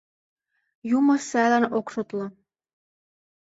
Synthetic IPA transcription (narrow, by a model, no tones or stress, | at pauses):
jumɤ̆sælænokʃot̪lɤ̆